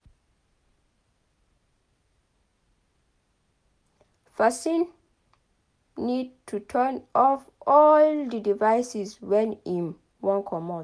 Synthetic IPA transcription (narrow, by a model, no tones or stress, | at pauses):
fasĩn | id̚tʰutʰɜnɔfɔldidivajsiswɛ̃nĩn | wɔ̃nkʰɔmɔ̃